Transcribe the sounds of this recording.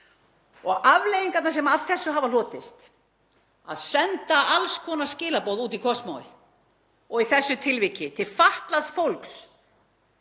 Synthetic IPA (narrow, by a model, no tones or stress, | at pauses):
ɔɣavlejiŋkat̪naɾsɛmaavθɛsːʏɦavalɔːt̪ɪst̪ | aðsɛnt̪aʔalskʰɔːnascɪːlapowðuːt̪ikʰɔsmawɪ̰ | ɔɣiθɛsːʏt̪ʰɪlvicɪt̪ʰɪlfaht̪lasfowlks